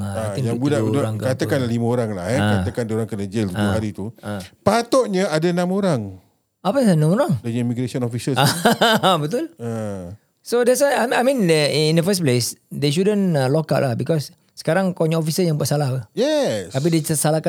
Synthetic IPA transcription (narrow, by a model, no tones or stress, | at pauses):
aaĩŋjabudauudaɾãŋkkat̪əkanlalimaoɾaŋla̰hɛakat̪əkandoɾaŋkənəd͡ʒəlt̪ud͡ʒahaɾit̪uapat̪ɔʔɲəadanãmoɾaŋ | apəsanãmoɾaŋdəɲəmiɡɾesɔnɔfisəsaabət̪ula | sodɛsaaajmĩnəĩndəfəsplesdeʃ̬udə̃nalokaʔlahbikɔsː | ə̥kaɾaŋkoɲɔ̃ɔfisəjãŋbuaʔsalahəjɛst̪ap̬idesəsalaka